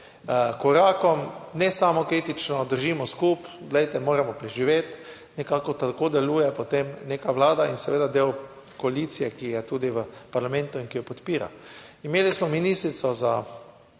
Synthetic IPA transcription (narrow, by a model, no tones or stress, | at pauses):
kɔɾaːkɔmnɛsamɔkɾiːt̪it͡ʃnɔd̪əɾʒimɔskuːp | ɡ̪lɛjt̪ɛmoːɾamɔpɾɛʒiʋeːt̪ | nɛkakɔt̪akoːd̪ɛluːjɛpɔt̪emneːkaʋlaːd̪ainsɛʋeːd̪ad̪eːw | kɔalit̪sijɛkijɛt̪uːd̪iʋəpaɾlamɛ̃nt̪ʊinkijɔpɔt̪piːɾa̰imeːlismɔminiːst̪ɾit̪sɔza